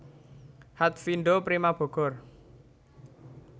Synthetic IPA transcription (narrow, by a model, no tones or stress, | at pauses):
hat̪̚finɖopɾimab̥ɔ̤ɡ̥ɔ̤r